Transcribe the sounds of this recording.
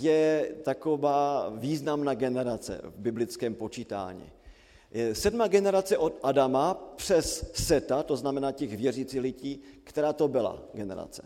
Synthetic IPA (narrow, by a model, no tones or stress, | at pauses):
jɛt̪ako̞vaːviːznamnaːɡɛnɛɾat͡sɛ̰vbɪblɪt͡skɛːmpo̞t͡ʃiːt̪a̰ːɲḭ | jɛsɛdmaɡɛnɛɾat͡sɛʔo̞t̪ʔadamapr̝̥ɛsːɛt̪at̪o̞znamɛnaːcɛɣvjɛriːt͡silɪɟiːkt̪ɛɾaːt̪obɪla̰ɡɛnɛ̰ɾa̰t͡sɛ̥̰